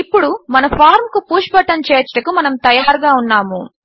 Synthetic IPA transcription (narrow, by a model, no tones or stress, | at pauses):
ipːuɽumɐnɐpʰaːɾmkupuːʃpɐʈːɐnt͡ʃeːt͡ʃːɐʈɐkumɐnɐmt̪ɐjaːɾɡaːunːaːmu